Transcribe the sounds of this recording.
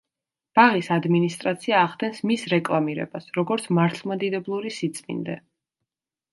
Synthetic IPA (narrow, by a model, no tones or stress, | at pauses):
b̥aʁisad̪minist̪ʼɾat̪sʰiaːχd̪ɛnsmisɾɛkʼlˠamiɾɛ̰basɾɔɡɔɾt̪sʰmaɾt̪ʰlˠmad̪id̪ɛblˠuɾisit̪sʼmḭnd̪ɛ